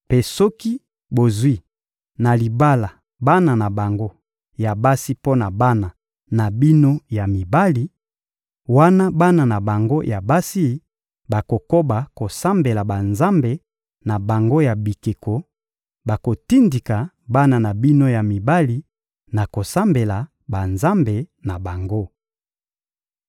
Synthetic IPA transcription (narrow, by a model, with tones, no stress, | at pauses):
pe˦sɔ˦ki˦ | bo˨zwi˦ | na˨li˨ba˦la˨ | ba˦na˨na˨ba˨ŋɡo˦ | ja˨ba˦si˦po˦na˨ba˦na˨ | na˨bi˦no˦ja˨mi˨ba˦li˨ | wa˦na˦ba˦na˨na˨ba˨ŋɡo˦ja˨ba˦si˦ | ba˨ko˨ko˦ba˨ko˨sa˦mbe˨la˨ba˨nza˦mbe˨ | na˨ba˨ŋɡo˦ja˨bi˨ke˨ko˨ | ba˨ko˨ti˦ndi˨ka˨ | ba˦na˨na˨bi˦no˦ja˨mi˨ba˦li˨ | na˨ko˨sa˦mbe˨la˨ | ba˨nza˦mbe˨na˨ba˨ŋɡo˦